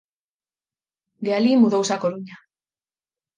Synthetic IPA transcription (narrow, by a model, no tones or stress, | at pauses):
ɡealimuðowsakoluɲa